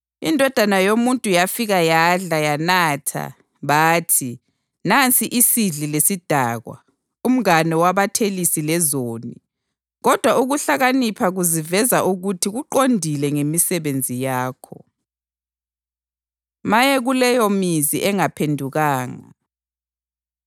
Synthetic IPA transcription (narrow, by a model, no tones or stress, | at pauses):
indʱɔd̥ʱanajomuntʼujafiɣajaɮajanatʰa̰ | βaːtʰi | nant͡sʼiʔisiɮilesid̥ʱaːɣwa̰ | um̩ŋanɛwaβatʰelisilɛzoːnḭ | ɣɔd̥ʱwauɣuɬaɣanipʰaɣuzivɛzaʔuɣutʰiɣuǃondʱilɛŋemisɛβend͡zʱijaːkʰɔ | majɛɣulɛjɔmiziʔɛŋapʰendʱuɣaːŋa̰